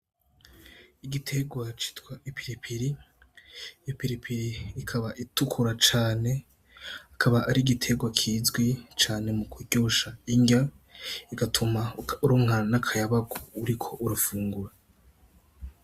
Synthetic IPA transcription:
iɡitʰe̞ɡwat͡ʃi̥tkwaipʰiɾipʰiɾi | jopiɾipʰiɾiːkʰaβaʔitukʰuɾat͡ʃaːne̞ | akʰaβaʔːɾiɡitʰe̞ɡwakʰiːzɡwit͡ʃaːne̞mukuɟoːʃaiɲɟa | iɡatʰumauɾoːŋanakʰajaβaɡoːɾikʰo̞ʔuɾufuːŋɡuɾa

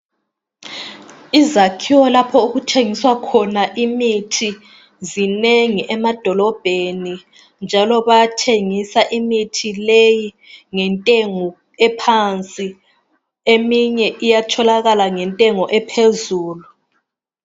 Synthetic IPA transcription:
izakʰiwɔlapʰɔuɣutʰeŋiswakʰɔnaʔimitʰi | zineŋiʔɛmad̥ʱɔlɔb̥ʱeni | nd͡ʒʱalɔβajatʰeŋisaʔimitʰileji | ŋɛntʼeŋɔ | ɛpʰant͡sʼi | emiɲɛʔijatʰɔlaɣalaŋɛntʼɛŋɔʔɛpʰezuːlu

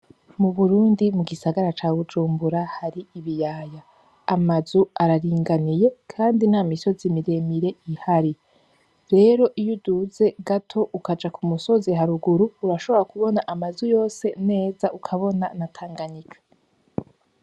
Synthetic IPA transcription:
muβuɾuːndimuɡisaɡaɾat͡ʃaːβud͡ʒuːmbuɾahaɾiiβijaːjaː | mazuaɾaɾiːŋɡanije̞kʰaːndinaːmiso̞zimiɾe̞miɾe̞ihaɾi | ɾe̞ːɾo̞ʔijuduze̞ɡatʰo̞ʔukad͡ʒakʰumuso̞ziɦaɾuɡuɾuuɾaʃo̞βo̞ɾakuβo̞naʔamazujo̞ːse̞ne̞ːzaukʰaβo̞nanatʰaːŋɡaɲikʰḁ

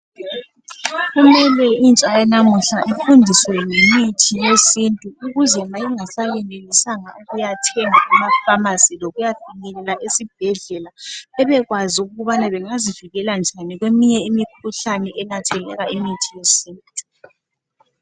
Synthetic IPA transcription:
ɣumɛlɛint͡ʃʼajɛnamuɬaʔifundʱiswɛŋemitʰijesintʼuuɣuzɛmajiŋasaɣɛnelisaŋauɣujatʰɛŋaamafamasiloɣujatanɛlɛlaʔisib̥ʱɛɮɛlaɛβɛɣwaziuɣuβanaβɛŋaziviɣɛland͡ʒʱaniɣwemiɲɛimikʰuɬanɛʔɛnatʰɛlɛ̰ɣaimitʰijesiːnttʼu

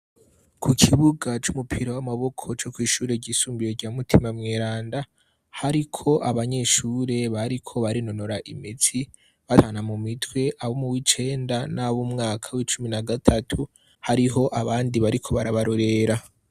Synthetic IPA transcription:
kʰukʰiβuɡat͡ʃumupʰiɾawamaβo̞kʰo̞t͡ʃo̞kwiːʃuːɾe̞ɟisuːmbiɾoɾɟaːmutʰimamŋeːɾaːnda | haɾikʰo̞ʔaβaɲe̞ʃuːɾe̞βaɾikʰo̞βaɾino̞no̞ɾaʔḭmit͡si | βataːnamumitwe̞ʔaβomuwit͡ʃe̞ːndanaβumŋaːkʰawit͡ʃuminaɡatʰatʰu | haɾiɦo̞ʔaβaːndiβaɾikʰo̞βaɾaβaɾoɾe̞ɾa

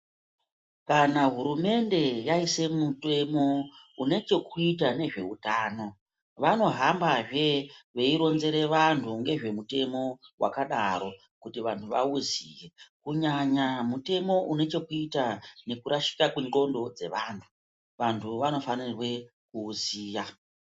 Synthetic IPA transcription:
kanaɦuɾume̞nde̞jaise̞mute̞mo̞une̞t͡ʃe̞kuitane̞ʐe̞̰ṵtaːno̞ | ʋano̞ɦambaʐe̞ʋe̞iɾo̞nze̞ɾe̞ʋantʰuŋɡe̞ʐe̞mute̞mo̞wa̰kaɗaɾo̞ | kutiʋantʰuʋa̰uzije̞kuɲaɲamute̞mo̞ʔune̞t͡ʃe̞kuitane̞kuɾaʃi̥kakwiŋɡo̞ndo̞d͡ze̞ʋaːntʰu̥ | ʋantʰuʋano̞fanirwe̞ | kuːziːja

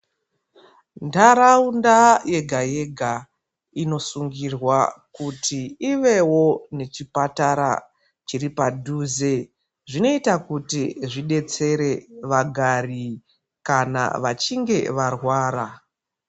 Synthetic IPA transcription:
ndaɾaundaje̞ɡʱajeɡʱa | ino̞suŋɡirwakutʰiiʋe̞wo̞ne̞t͡ʃipataɾa̰ | t͡ʃiripadʱuːze | ʐino̞itakutiʐiɗe̞t͡se̞ɾe̞ʋaɡʱari | kana̰ʋat͡ʃiŋɡe̞ʋarwaːɾa

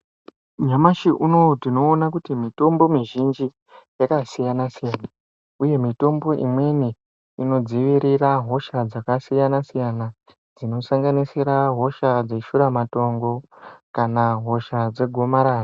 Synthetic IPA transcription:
ɲamaʃiʔuno̞tino̞ːnak̬utimito̞mbo̞miʒind͡ʒi | jakasijanasijana | uje̞mito̞mbo̞ʔḭmwe̞ni | ino̞d͡ziʋiɾiraɦo̞ʃad͡zakasijanasijana | d͡zino̞saŋɡanisiɾaɦo̞ʃad͡zeʃuɾamato̞ŋɡo̞kanaɦo̞ʃad͡ze̞ɡʱo̞maɾaːro

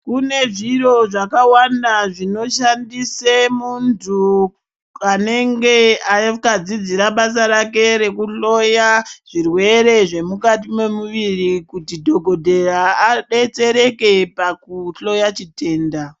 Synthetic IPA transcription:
kune̞ʐiro̞ʐakawandaʐino̞ʃandisemuntʰu | ane̞ŋɡe̞akad͡zid͡ziɾaɓas̬aɾake̞ɾe̞kuɬo̞jaʐ̥irwe̞ɾe̞ʐe̞mukat̬imwe̞muʋirikutidʱo̞ɡʱo̞dʱe̞raːɗe̞t͡se̞ɾe̞ke̞pakuɬo̞jat͡ʃite̞ːnda

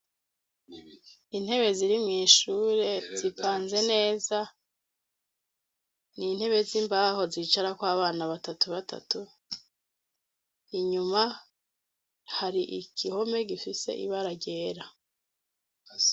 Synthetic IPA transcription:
in̥he̞βe̞ziɾimŋiːʃuːɾe̞z̥ipaːnze̞ne̞ːza | nin̥he̞βe̞ziːmbaːho̞zit͡ʃaɾakwaːβaːnaβatatuβatʰa̰tu | iɲuma | haɾiʔḭkʰiho̞me̞ɡifise̞̰ʔḭβaɾaɟe̞ːɾa

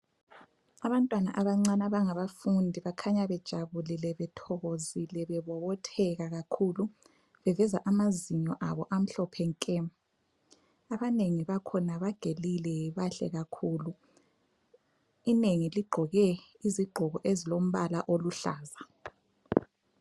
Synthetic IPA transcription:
aβantʼwana̰ʔaβaŋ͡ǀanaβaŋaβafundʱiβakʰaɲaβɛd̥ʒ̥ʱaβulɛlɛβɛtʰɔɣozilɛβɛβɔβɔtʰɛɣaɣakʰuːlu | βɛvɛzaʔamaziɲɔʔaβɔʔam̩ɬɔpʰɛŋkʼɛ | aβaneŋiβakʰɔnaβaɡ̥ʱelilɛβaɬɛ̰ɣakʰuːlu | ineŋiliɡ͡ǃʱɔɣɛ | iziɡ͡ǃʱɔɣɔʔezilom̩βalaʔoluɬa̰ːza

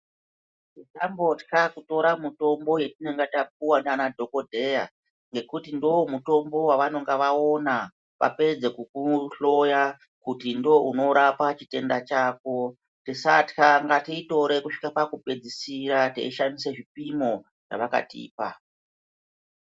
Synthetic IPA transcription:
titambo̞tkakuto̞ɾamuto̞mbo̞je̞tineŋɡatap̚uwananadʱo̞ko̞dʱe̞ja | ŋɡe̞kutindo̞wmuto̞mbo̞waʋano̞ŋɡaʋao̞na | ʋa̰pe̞d͡ze̞kukuɬo̞ja | kutindo̞uno̞ɾapat͡ʃite̞ndat͡ʃaːko̞ | tisatkaŋɡatiito̞ɾe̞kuʂi̥kapakupe̞d͡zisiɾatḛiʃandiseʐipimo̞ | ʐ̥a̰ʋaka̰tḭːpa

